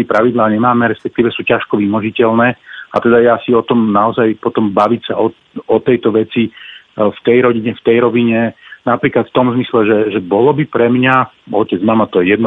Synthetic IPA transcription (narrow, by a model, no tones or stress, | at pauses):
ipɾaʋid̪laːɲɛmaːmɛɾɛspɛk̚t̪iːʋɛsuːcaʃkɔʋimɔʒicɛlnɛːat̪ɛd̪ajɛasiɔt̪ɔmnaɔzajpɔt̪ɔmbaʋicsaʔɔ | ɔt̪ɛjt̪ɔʋɛt͡sift̪ɛjɾɔɟiɲɛft̪ɛjɾɔʋiɲɛnapɾiːklat̪ft̪ɔmzmislɛʒɛʒɛbɔlɔbipɾɛmɲa | ɔcɛd͡zmamat̪ɔjɛjɛd̪nɔ